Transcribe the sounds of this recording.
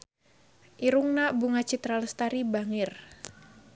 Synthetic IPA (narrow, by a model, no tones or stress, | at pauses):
ʔiɾuŋnabuŋat͡ʃit̪ɾalst̪aɾibaŋɪr